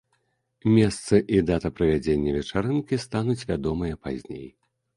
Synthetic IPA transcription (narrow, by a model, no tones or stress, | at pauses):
mʲɛst̪sɨʔid̪at̪ɐpɾɐvʲad͡zʲenʲːɐvʲɛt͡ʂaɾɨnkʲist̪anut͡sʲvʲad̪ɔmɨjɐpazʲnʲḛj